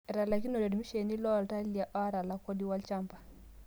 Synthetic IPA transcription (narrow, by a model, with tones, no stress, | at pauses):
ɛ˨ɾa˨la˨ki˦no˨de˨dmi˦ʃe˨ni˦lɔ˦˨lta˦li˨a˨ʔa˦ɾa˨la˨ko˦di˦wa˦lt͡ʃa˦mpḁ˨